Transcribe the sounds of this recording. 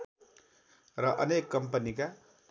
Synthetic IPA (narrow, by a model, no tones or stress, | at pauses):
rʌʔʌnekːʌmpʌnika